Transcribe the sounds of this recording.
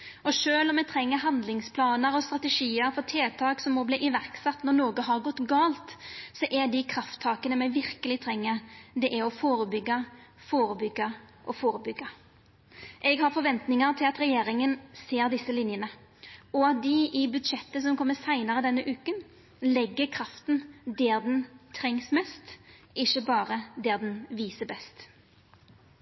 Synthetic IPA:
ɔʂøːlɔmːɛɪt̪ʰɾɛŋːəɾɦɑnd̪lɪŋspʰlɑːnəɾɔst̪ɾʁɑt̪ɛʂiːəɾfʰɔt̪ʰeːt̪ʰɑːksɔmːɔbliːʔɪʋæɾksɑt̪ːnɔɾnoːɡəɦɑɾɡɔt̪ːɡɑːlt̪sɔʔɛɖ̪ɪkʰɾɑft̪ʰːɑːkənəmæɪʋɪɾkəlɪt̪ʰɾɛŋːəɾd̪ɛʔæɔfoːɾəbʏɡːɑ | foːɾəbʏɡːɑ | ʔɔfoːɾəbʏɡːɑ | ʔɛɡhɑɾfɔɾʋɛnt̪nɪŋɑɾt̪ʰɪlɑt̪ɾɛjeːɾɪŋənseːɾd̪ɪsːəlɪnjənə | ɔɑt̪̚d̪ɪɪbʉd̪ʂɛt̪ːəs̬ɔmkʰɔmːəsæɪnɑɾəd̪ɛnːəʔʉːkən | lɛɡːəɾkʰɾɑft̪nd̪eːɾd̪ɛnt̪ʰɾɛŋsmɛst̪ʔɪçːəbɑːɾəd̪ɛːd̪ɛnʋiːsəbɛst̪

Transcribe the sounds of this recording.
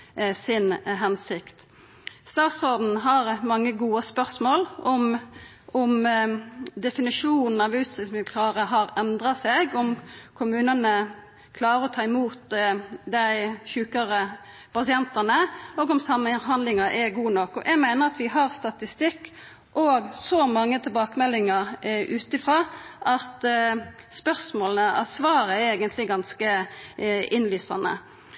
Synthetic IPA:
sɪnɦɛnsɪkt̪ | st̪ɑːt̪sɔd̪n̩ɦɑʁmɑŋːəɡuːəspœʁsmoːlʔɔm | ɔm | d̪ɛfɪnɪʂuːnn̩ɑʋʉːt̪sɛsmɪkʰlɑːʁəɦɑʁɛnd̪ʁɑsɛɡɔmkʰʊmʉːnənə | kʰlɑːɾəɔt̪ʰɑːɪmuːt̪d̪æɪçʉːkəʁə | pʰɑsɪɛnt̪ənəoːɡɔmsɑmːəɦɑnd̪lɪŋɑʔɛɡuːnɔkːɔ̰ʔæmæɪnəʁɑt̪ʋɪɦɑʁst̪ɑt̪ɪst̪ɪkː | ʔɔɡsɔmɑŋːət̪ʰɪlbɑːkəmɛlːɪŋɑʁʔʉːt̪ɪfɾɑːʔɑt̪ | spœʁsmoːlnəɑ̰sʋɑːʁəɛɾeːɡənt̪lɪɡɑnskə | ɪnlyːsɑ̰nə̰

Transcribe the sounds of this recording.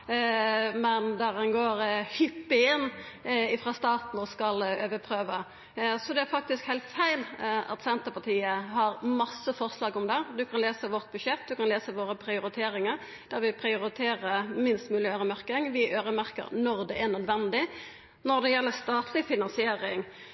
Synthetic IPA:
mɛnd̪æɾɑnɡoːɾhʏpːɪɪnːɪfɾɑst̪ɑːt̪n̩ɔskɑløːʋəpʰɾøːʋə | sɔd̪ɛæɾfɑk̚t̪ɪskhæɪlt̪fæɪlɑ̰t̪sɛnt̪əpɑt̪ʰiːəɦɑɾmɑsːəfɔʁslɑːɡʊmd̪ɛd̪ʉkʰɑnleːsəʋɔʁt̪̚bʉʂɛt̪̚ːd̪ʉkɑnleːsəʋoːɾəpʰɾɪʊɾɪt̪ʰeːɾɪŋəɾ | d̪̥æɾʋɪpʰɾɪʊɾɪt̪ʰeːɾəmɪnst̪mʉːlɪøːɾəmæɾkəŋʋɪʔøːɾəmæɾkə̰ɾnɔɾd̪ɛænœd̪ʋɛnd̪ɪ | nɔɾd̪ɛjɛlːəɾst̪ɑːt̪ʰlɪfɪnɑnsɪeːɾɪŋ

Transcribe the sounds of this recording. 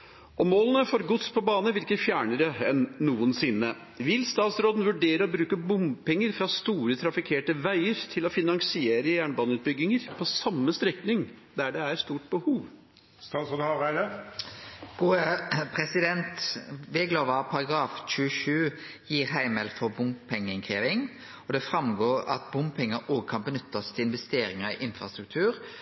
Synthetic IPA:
ʔɔmoːlənəfɔɾɡʊt̪spʰɔbɑːnəʋɪɾkəfjæːɳəɾəɛnːuːənsɪnːə | ʋɪlst̪ɑːt̪sɾoːd̪n̩ʋʉɖeːɾəɔbɾʉːkəbʊmpɛŋːəɾfɾɑst̪uːɾət̪ʰɾɑfɪkʰeːʈəʋæɪəɾt̪ʰɪlɔfɪnɑŋsɪeːɾəjæːɳbɑːnəʉːt̪̚bʏɡːɪŋəɾpʰɔsɑmːəst̪ɾɛknɪŋ | d̪æɖɛæɾst̪uːʈ̚bəhuːʋ | st̪ɑt̪sɔd̪ɑʁæɪd̪ə | ɡ̥uːəpʰɾɛsɪd̪ɛnt̪ʋeːɡloːʋɑpʰɑʁɑɡɾɑːfc͡çʉːəʃʉː | jiːɾɦæɪmɛlfɔbʊmpʰɛŋːəɪnkʰeːʋɪŋ | ɔd̪ɛfɾɑmɡoːɾɑ̰t̪bʊmpʰɛŋːəoːɡəkʰɑnbənʏt̪ːɑst̪ʰɪlɪnʋɛst̪eːɾɪŋɑɪ̰ʔɪnfɾɑst̪ɾʉk̚t̪ʰʉːɾ

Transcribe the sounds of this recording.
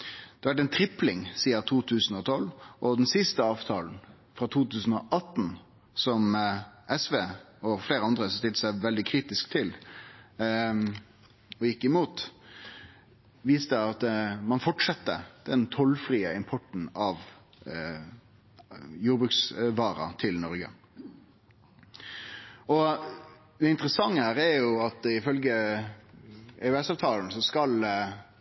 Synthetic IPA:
d̪̥ɛʋæʈ̬ɛɪnt̪ʰɾɪplɪŋsiːət̪ʰuːt̪ʰʉːsn̩ɔt̪ʰɔlːʔɔd̪ɛnsɪst̪əɑːʋt̪ʰɑːln̩ | fɾɑt̪ʰuːt̪ʉːsn̩ɔʔɑt̪ːn̩ | sɔmʔɛsʋeː | ɔfleːɾəɑnd̪ɾəsst̪ɪlt̪əsæɪʋɛld̪ɪkʰɾiːt̪ɪskt̪ʰɪl | ɔjɪkːɪmuːt̪ | ʋiːst̪əɑt̪mɑnfɔʈʂɛt̪ːə̰d̪̥ɛnt̪ʰɔlfɾiːəɪmpʰɔʈn̩ɑʋ | juːɾbɾʉːksʋɑːɾɑ̰t̪ʰɪlnɔɾɡə̰ | ɔ | d̪ɛɪnt̪əɾəsɑŋːəhæːɾɛɾjʊɑt̪ɪfœlɡə | ɛœɛsɑːʋt̪ʰɑːln̩sɔskɑl

